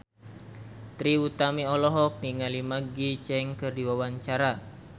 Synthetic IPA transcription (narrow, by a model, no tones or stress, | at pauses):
t̪ɾiut̪amiɔlɔɦɔk̚niŋalimaɡit͡ʃɛŋkɨrdiwawaɲt͡ʃaɾa